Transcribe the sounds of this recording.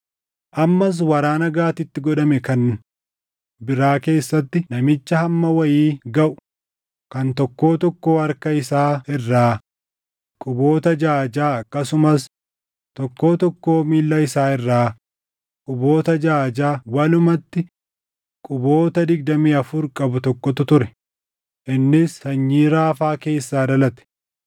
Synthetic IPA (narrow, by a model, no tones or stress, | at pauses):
ʔɐmːɐs̬wɐɾaːnɐɡaːt̪ɪt̪ːɪɡɔᶑɐmɛkɐn | bɪɾaːke̞ːsːɐt̪ːɪnɐmɪt͡ʃːɐhɐmːɐwɐjiːɡɐʔʊ̥ | kɐnt̪ɔkːo̞ːt̪ɔkːo̞ːɐɾkɐɪsaːɪrːaː | kʼʊbo̞ːt̪ɐd͡ʒaːd͡ʒaːɐkːɐsʊmɐs | t̪ɔkːo̞ːt̪ɔkːo̞ːmiːlːɐɪsaːɪrːaː | kʼʊbo̞ːt̪ɐd͡ʒaːd͡ʒaːwɐlʊmɐt̪ːɪ | kʼʊbo̞ːt̪ɐd̪ɪɡ̚d̪ɐmiːɐfʊɾkʼɐbʊt̪ɔkːɔt̪ʊt̪ʊɾɛ | ʔɪnːɪsːɐɲːiːɾaːfaːke̞ːsːaːd̪ɐlɐt̪ɛ̥